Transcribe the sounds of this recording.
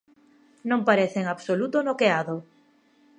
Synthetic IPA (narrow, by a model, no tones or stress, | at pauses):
nõmpaɾeθeŋaβsolut̪onokeaðo